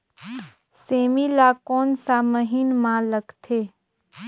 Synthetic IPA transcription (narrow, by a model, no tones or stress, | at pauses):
seːmilakoːnsaməɦinmãləɡt̪ʰeː